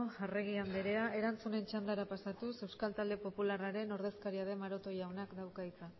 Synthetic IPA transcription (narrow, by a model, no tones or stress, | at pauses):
areɣ̞iand̪eɾe̞ae̞ɾant͡sune̞nt͡ʃand̪aɾapasat̪use̞wskalt̪ald̪e̞po̞pularaɾe̞no̞ɾð̞e̞skaɾiað̞e̞maɾo̞t̪o̞ʝawnakd̪awkait͡sa